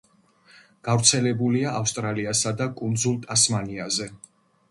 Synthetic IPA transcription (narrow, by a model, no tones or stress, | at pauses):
ɡ̥avɾt̪sʰɛlɛbuliaʔafst̪ʼɾaliasad̪akʼund̪zulˠt̪ʼasmaniazɛ